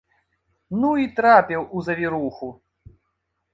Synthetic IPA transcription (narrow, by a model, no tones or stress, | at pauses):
nuit̪ɾapʲɛwʔuzɐvʲiɾuxu